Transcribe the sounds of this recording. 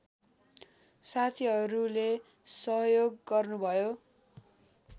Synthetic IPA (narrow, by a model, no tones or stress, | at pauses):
sat̪ʰiɦʌɾule | sʌɦjoɡːʌrnubʱʌjo